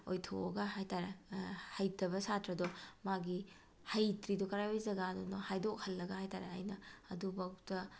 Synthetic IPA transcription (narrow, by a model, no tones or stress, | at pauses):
ojtʰo̰ɐɡɐɦajtaɾehɐjtɐbɐsatɾɐdɔmaɡi | hajtɾidɔkɐɾajojzɐɡadunɐhajdok̚hɐlːɐɡɐhajtaɾea̰jnɐːdubawtɐ